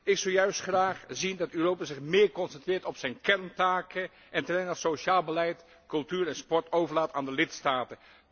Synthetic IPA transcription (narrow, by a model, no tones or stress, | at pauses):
ɪksolˠjœɥstχraːχzindɑtøːrowpaːzɪχmɪːɹkɔnsɛntrɪːɹtɔpsɛjnkɛɹntaːkə | ʔɛntərɛjnatsoʃaːlˠbəlɛjt | kɵlˠtyːɾɛnspɔɹtowvəɹlaːtaːndəlɪtstaːtən